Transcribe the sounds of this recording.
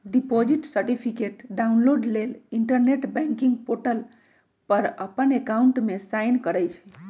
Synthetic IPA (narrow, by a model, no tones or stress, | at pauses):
ɖipod͡ʒiʈsəɾʈipʰikeʈɖaunloɖleliɳʈəɾneʈbɛ̃ŋkiŋɡpoʈəl | pəɾəpənekauɳʈmesajnkəɾəjt͡ʃʰɛ̥